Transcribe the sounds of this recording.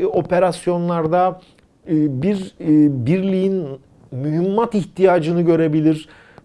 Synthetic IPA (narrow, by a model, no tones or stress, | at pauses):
o̞pe̞ɾasjo̞nlˠaɾd̪a | biɾbiɾlʲijin | myɦimːat̪içt̪ʰijaːd͡ʒɯnɯɟø̞ɾe̞bilʲiɾ̥